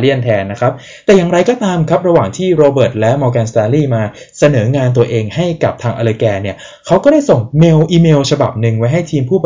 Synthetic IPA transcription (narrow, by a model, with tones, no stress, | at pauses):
li˥˩ənt̪ʰɛː˧nːa˦˥kʰa˦˥p̚ | t̪ɛː˨˩jaː˨˩ŋɾa˧jkɔː˧t̪aː˧mkʰa˦˥p̚ɾa˧waː˨˩ŋt̪ʰiː˥˩ɾoː˧bɤː˨˩t̪̚lɛ˦˥mɔː˧kɛː˧nst̪aː˧liː˥˩maː˧ | sa˧nɤː˩˦ŋaː˧nt̪u˧ɐʔeː˧ŋha˥˩jka˨˩p̚t̪ʰaː˧ŋʔa˧lɤː˧kɛː˧ni˥˩ɐ | kʰa˦˥wkɔː˥˩daː˥˩jso˨˩ŋmeː˧wʔiː˧meː˧wt͡ɕʰa˧ba̰˨˩p̚nɯ˧ŋwa˦˥jɦa˥˩jt̪ʰiː˧mpʰuː˥˩b